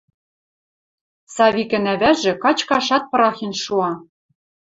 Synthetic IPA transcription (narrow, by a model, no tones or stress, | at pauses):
sɑvʲikʲɘ̆næβæʒɘ̆kɑt͡ɕkɑʃɑt̪̚pɤ̆ɾɑxinʃuɑ